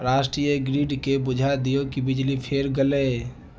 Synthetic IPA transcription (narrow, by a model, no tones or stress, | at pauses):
ɾaːʃʈɾijəɡɾiɖkebʊd͡ʒʱad̪ijokibɪd͡ʒlipʰeɾɡəleː